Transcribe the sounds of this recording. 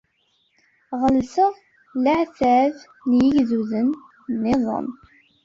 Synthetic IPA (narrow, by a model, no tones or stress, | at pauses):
ʁəlsəʁ | laʕθʕəv | njiʝðuðənː | eðˤə̰n